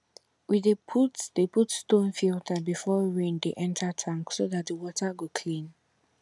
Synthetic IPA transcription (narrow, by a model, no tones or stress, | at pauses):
widepʰutdeputstõnfiltʰabifɔɹẽndeʔɛ̃ntʰətʰɹãŋksoðat̚dəwɔtʰəɡokʰlĩn